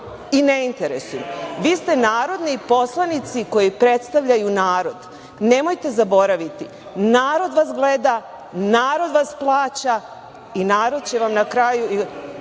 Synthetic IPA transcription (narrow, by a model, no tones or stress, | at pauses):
ine̞int̪e̞ɾesujmʋiːst̪e̞naːɾo̞d̪nipo̞slˠanit̪siko̞jipɾe̞t̪st̪aʋʎajunaːɾo̞d̪ | ne̞mo̞jt̪e̞zabo̞ɾaʋit̪i | naːɾo̞d̪ʋasɡle̞d̪a | naːɾo̞d̪ʋasplˠaːt͡ɕa | inaːɾo̞d̪̥̚t͡ɕe̞ʋamnakɾajui